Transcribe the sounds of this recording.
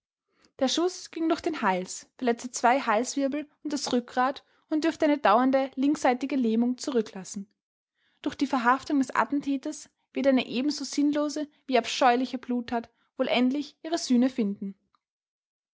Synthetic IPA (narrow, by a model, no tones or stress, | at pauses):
d̥eːɐʃʊsɡ̥ɪŋdʊɐçd̥eːnhalsfɛɐlɛt͡stət͡sv̥aɪɦalsv̥ɪɐbl̩ʊnt̚d̥asʁʏk̚ɡʁaːt | ʊntd̥ʏɐftəʔaɪnədaʊɐndəlɪŋksz̥aɪtɪɡəleːmʊŋt͡suʁʏkʰlasn̩ | d̥ʊɐxd̥iːfɛɐɦaftʊŋdɛsʔa̰tn̩tʰɛːtɐs | v̥ɪɐtaɪnəʔeːbm̩zoːz̥ɪnloːzəviːapʃɔʏlɪçəbluːthaːt | voːlʔɛntlɪçʔiːʁ̞əzyːnəfɪndn̩